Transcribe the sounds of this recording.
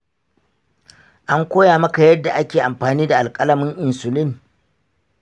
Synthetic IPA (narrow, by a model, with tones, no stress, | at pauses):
ʔa˦ŋkʷoː˦jaː˨mɐ˦ka˨jɐ˦dːa˨ʔa˦kʲeː˨ʔa˨mɸaː˨niː˦da˨ʔa˨lkʼɐ˦lɐ˨mʊ˦ŋʔɪ˨nsʊ˨lɪ˦ŋ